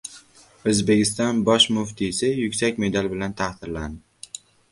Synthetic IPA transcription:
ɵzbe̞kʲɪst̪ɒnbɒʃmʊft̪ʰisɪjʊkʲsakʲme̞d̪albɪlant̪ʰahθɪɾland̪ɪ

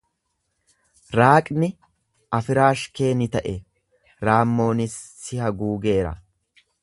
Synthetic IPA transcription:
ɾaːkʼnɪ | ʔɐfɪɾaːʃkeːnɪt̪ɐʔɛ | ɾaːmːo̞ːnɪsːɪhɐɡuːɡe̞ːɾɐ̰

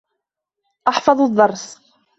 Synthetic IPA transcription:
ʔɑħfɑðˤd̪ˤːɑɾˤs

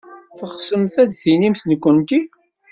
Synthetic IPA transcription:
θəχsəmθæd̪θinimθnəkʷːənt̪i

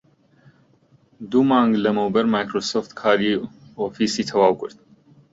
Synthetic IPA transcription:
d̪umɑːŋɡlɐmowbəɾmajkɾosoft̪kʰaːɾioːfisiːt̪ʰɐwaːwkʊɾt̪̚

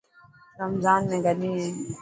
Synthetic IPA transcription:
ɾəmzaːnmẽɡɐniːɦɛ̃ː

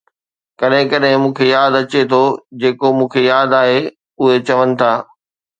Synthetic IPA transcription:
kɐɗɦɪ̃kɐɗɦɪ̃mũːkʰejaːd̪ɐt͡ɕet̪ʰod͡ʑeːkomũːkʰejaːd̪aːɦe | ʊɦet͡ɕɐʋənɪ̆t̪ʰaː

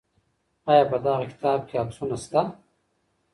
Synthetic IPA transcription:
aːjaːbɐd̪aːɣekɪ̥t̪aːb̚kʲeɐbsunast̪a

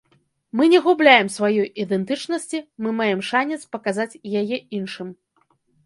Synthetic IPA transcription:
mɨnʲɛɣublʲajɛmsvajɔjid̪ɛnt̪ɨt͡ʂnɐsʲt͡sʲimɨmajɛmʂanʲɛt̪spɐkazat͡sʲjajɛinʂɨm

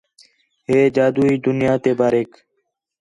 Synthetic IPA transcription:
ɦeːd͡ʒaːd̪uːiːd̪ʊnɪjaːt̪eːbaːɾeːk

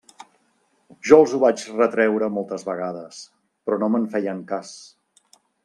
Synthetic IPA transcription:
ʒɔlˠzuβat͡ʃrət̪ɾɛwɾəmɔlˠt̪əzβəɣ̞aðəs | pɾɔnoməɱfɛjəŋkas

